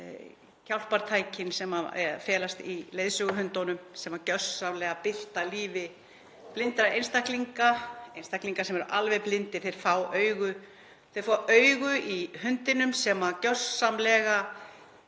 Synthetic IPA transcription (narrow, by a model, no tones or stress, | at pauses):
cʰawl̥paɾ̥t̪ʰaːjcɪnsɛmaɛ̰fjɛːlast̪ileːðsʏɣʏɦʏnt̪ownʏmsɛmacœssamlɛɣapɪl̥t̪aliːvɪ | plɪnt̪ɾaejnst̪akliŋkaejnst̪akliŋkasɛmɛɾʏʔalvɛplɪnt̪ɪθejɾ̥faːwœːɥɣʏ | θejɾfaʔœːɥɣʏʔihʏnt̪ɪnʏmsɛmacœssamlɛɣa